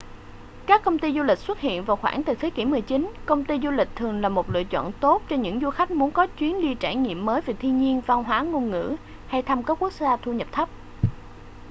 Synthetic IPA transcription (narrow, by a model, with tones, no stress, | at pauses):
kaː˦˥kːə˧wŋ͡mt̪i˧zu˧li˨˩k̟̚swə˦˥t̚hḭ˧˨ənvaː˨˩wxwaː˧˩nt̪ɨː˨˩t̪ʰe˨˦ki˧˩mɨ˨˩əjt͡ɕi˨˦nkə˧wŋ͡mt̪i˧zu˧lï˨˩k̟̚t̪ʰɨ˨˩əŋlaː˨˩mo˨˩t̚lɨ̰˧˨ət͡ɕɔ̰ː˧˨nt̪o˦˥t̚t͡ɕɔ˧ɲɨ̰˧˥ŋzu˧xa˦˥jk̟̚mu˨˦ənkɔ˨˦t͡ɕwi˨˦ənɗi˧t͡ɕaː˧˩ŋḭ˧˨əmːəː˨˦jve˨˩t̪ʰi˧nɲi˧ənva˧wɦwaː˨˦ŋo˧nŋɨ̰˧˥ | ha˧jt̪ʰa˧mkaː˦˥kːu˦˥k̚zaː˧t̪ʰu˧ɲə˨˩p̚t̪ʰə˦˥p̚